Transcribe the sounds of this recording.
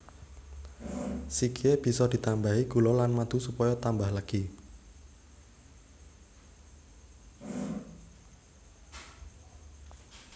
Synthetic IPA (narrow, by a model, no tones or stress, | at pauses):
sikieb̥i̤sɔd̪̥i̤t̪ambaɦiɡ̥ṳlɔlanmad̪̥usupɔjɔt̪ambahlaɡ̥i